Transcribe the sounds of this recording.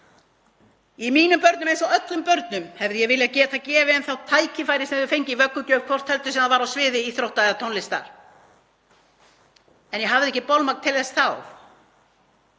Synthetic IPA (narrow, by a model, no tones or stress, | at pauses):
imiːnʏmpœɾt̪nʏmejnsɔœt̪lʏmpœɾt̪nʏmhɛvðɪjɛɣvɪlɪaðcɛːt̪acɛːvɪɛnθawt̪ʰaːjcɪfaːjɾɪsɛðʏfejɲcɪvœkːʏcœːv̥kʰvɔr̥t̪hɛlt̪ʏsɛmaðvaɾawsvɪːðɪiθɾowht̪aððat̪ʰonlɪst̪a̰ɾ̥ | ɛnjɛɦavðɪɛhcɪpowlmaknt̪ʰɪlθɛsθaw